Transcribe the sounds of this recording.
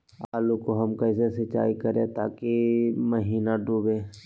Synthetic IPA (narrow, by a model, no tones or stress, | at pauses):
aːlukoɦɐmkɐɪsesɪt͡ʃa̰ːikɐɾḛ̃t̪aːkemɐɦiːnaɖuːbẽː